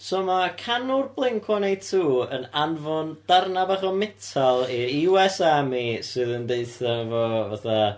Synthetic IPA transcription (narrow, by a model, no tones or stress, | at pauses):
sɔːmakʰanʊrblˠɪŋkʰwɔnejtʰuːənanvʊnd̥arnabaχɔmɪtʰalˠiɾiwɛsamisɨːðəndeɨθavɔvaθa